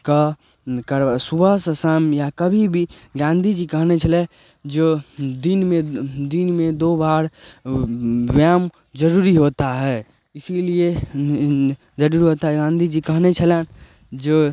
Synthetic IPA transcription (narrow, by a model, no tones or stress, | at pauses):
kə | kəɾsubəsəsamjakəbʱibʱi | ɡãnd̪ʱid͡ʒikəɦnet͡ʃʰəlɛ | d͡ʒed̪inmed̪inmẽd̪obaɾ | ʋjam | d͡ʒəɾuɾiɦot̪aɦɛː | ɪsilie | d͡ʒəɾuːɾiɦot̪aɦɛɡãnd̪ʱid͡ʒikəɦnet͡ʃʰəlɛn | d͡ʒe